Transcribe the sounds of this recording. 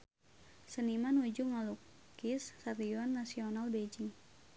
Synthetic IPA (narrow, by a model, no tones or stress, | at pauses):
sənimanud͡ʒuŋɔluk | isːaɾiɔnːasionalbed͡ʒɪŋ